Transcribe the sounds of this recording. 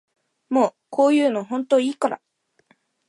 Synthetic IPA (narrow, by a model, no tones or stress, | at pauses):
mo̞ː | kʰo̞ːjɯ̟ːno̞ɦõ̞nt̪o̞ːiːkaɾa̰